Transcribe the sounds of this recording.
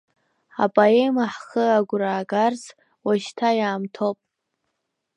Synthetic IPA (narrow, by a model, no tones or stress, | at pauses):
a̰bʼaemaħχəaɡʷɾaːɡarz | waʃtʰajaːmtʰopʼ